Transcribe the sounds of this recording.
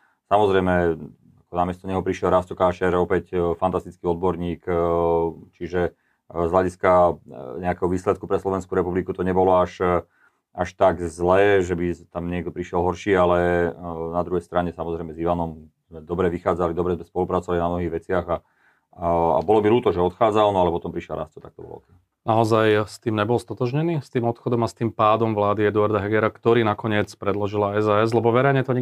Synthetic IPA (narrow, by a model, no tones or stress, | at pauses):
samɔzɾɛɪmɛ | akɔnamɪɛst̪ɔɲɛɦɔpɾiʃɪɛlɾastɔkaːʃɛɾɔpɛcfant̪ast̪it͡skiɔd̪̚bɔɾɲiːk | t͡ʃiʒɛ | zɦlaɟiskaɲɛakɛɦɔʋiːslɛt̪̚kupɾɛslɔʋɛnskuɾɛpublikut̪ɔɲɛbɔlɔaʃ | aʃt̪aɡzlɛːʒɛbit̪amɲɪɛɡd̪ɔpɾiʃjɛlɦɔɾʃiːalɛnad̪ɾuɦɛjst̪ɾaɲɛsamɔzɾɛɪmɛziʋanɔm | zmɛd̪ɔbɾɛʋixaːd͡zalid̪ɔbɾɛzmɛspɔlupɾat͡sɔʋalinamnɔɦiːɣʋɛt͡sɪaɣa | a̰bɔlɔbiluːt̪ɔʒɛɔt̪xaːd͡zalnɔalɛpɔt̪ɔmpɾiʃjɛlɾa̰st̪ɔt̪ak̚t̪ɔbɔ̰lɔ̰t̪ɛ | naɔzajst̪iːmɲɛbɔlst̪ɔt̪ɔʒɲɛniːst̪iːmɔt̪xɔd̪ɔmast̪iːmpaːd̪ɔmʋlaːd̪iɛd̪uaɾd̪aɦɛɡɛɾakt̪ɔɾiːnakɔɲɪɛt͡spɾɛd̪lɔʒilaɛzaːɛz̬lɛbɔʋɛɾɛjɲɛt̪ɔɲ